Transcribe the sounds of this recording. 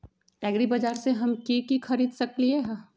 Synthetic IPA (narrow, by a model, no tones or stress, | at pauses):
ɛːɡɾibɐd͡ʒaːɾseɦɐmkikixɐɾiːd̪sɐklieɦ